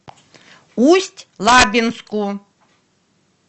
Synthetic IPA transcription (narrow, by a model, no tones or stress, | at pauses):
usʲtʲlabʲinskʼu